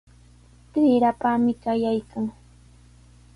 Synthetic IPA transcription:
t̪ɪɾapamɪkajajkaŋ

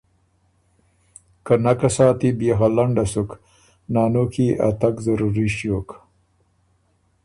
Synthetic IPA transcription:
kanakasɑːt̪ibexalaɳɖasuk | nɑːnokʰiʔa̰t̪akzaɾuɾiʃjoːk

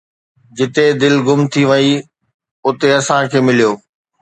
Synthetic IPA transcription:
d͡ʑɪt̪ed̪ɪlɡʊmt̪ʰiʋɐi | ʊt̪eɐsãkʰeːmɪlijoː

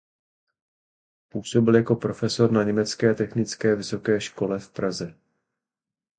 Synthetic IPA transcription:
puːso̞bɪljako̞pɾo̞fɛso̞ɾnaɲɛmɛt͡skɛːt̪ɛxnɪt͡skɛːvɪso̞kɛːʃko̞lɛfpɾazɛ

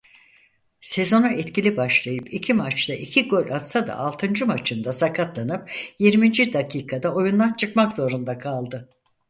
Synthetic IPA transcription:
se̞zo̞naʔɛt̪cilʲibaʃlˠajɯpicʰimat͡ʃt̪aʔicʰiɡo̞lʲʔast̪ʰad̪a̰ʔalˠt̪ʰɯnd͡ʒɯmat͡ʃʰɯnd̪asakʰat̪lˠanɯp̚jiɾmind͡ʒid̪akʰiːkʰad̪ao̞jund̪ant͡ʃʰɯkmakzo̞ɾund̪akʰalˠd̪ɯ

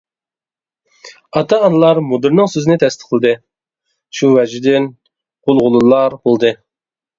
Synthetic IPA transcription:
ɑt̪ɑɑnɨlˠɑɾmod̪ɨɾnɨŋsøzɪnɪt̪ʰɛst̪ʰɪ̥qʰəlˠɨd̪ɨ | ʃuvɛd͡ʒid̪ɪn | qolˠʁʊlˠulˠɑɾbolˠd̪ɨ

